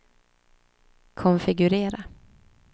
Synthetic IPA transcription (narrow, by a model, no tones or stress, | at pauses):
kʰɔnfɪɡɵɾeːɾa